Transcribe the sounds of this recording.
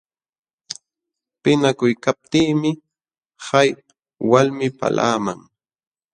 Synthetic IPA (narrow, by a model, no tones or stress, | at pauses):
pɪnakʊjkap̚t̪iːmɪ | haj | walmɪpa̰lʔa̰ːmaŋ